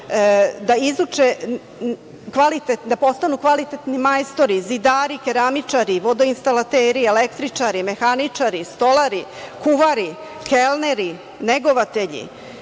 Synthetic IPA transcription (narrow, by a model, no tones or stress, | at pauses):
d̪aizut͡ʂe | kʋalit̪ed̪apo̞st̪anukʋalit̪et̪nimajst̪o̞ɾizid̪aːɾikeɾamit͡ʂaɾiʋo̞d̪oinst̪alat̪eːɾielekt̪ɾit͡ʂaɾime̞xanit͡ʂaɾist̪o̞lˠaɾikuʋaɾi | kelneɾi | neɡoʋat̪e̞ʎḭ